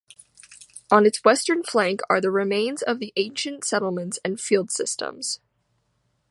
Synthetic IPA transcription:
ə̃nɨtswɛstə̃˞nflæ̃ŋkʰə̰˞ðɨɹɨmẽɪ̃nzʌvðiʔẽɪ̃nʃɨ̃ntsɛɾl̩ˠmɨ̃ntsɨ̃nfilˠd̥sɪstə̰̃mz̥

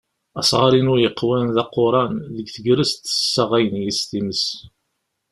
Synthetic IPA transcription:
æsˤʁɑɾinʊɾjəqːwænðɑqːoɾˤɑnðəɡθəɡɾəst̪ə̥sːæʁæjənjist̪iməs

